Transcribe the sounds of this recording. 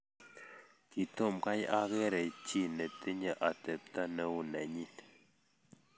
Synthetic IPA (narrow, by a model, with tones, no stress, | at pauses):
ki˨to˦˨mka˦ja˦ɣe˦ɾɛ˨t͡ʃi˦˨nɛ˨te˦ɲə˦˨ʔa˨tɛ˨p̚ta˦nɛ˦u˦˨nɛ˨ɲi˦t